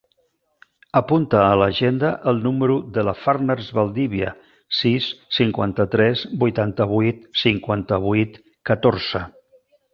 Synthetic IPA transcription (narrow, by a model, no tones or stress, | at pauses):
əpunt̪əːləʒend̪əʔəlˠnuməɾuðələfarnəɾzβəlˠd̪iβiə̰ | sisːiŋkwa̰nt̪ət̪ɾɛzbujt̪ant̪əβ̞ujt̪siŋkwant̪əβ̞ujt̪ | kət̪oɾz̥ə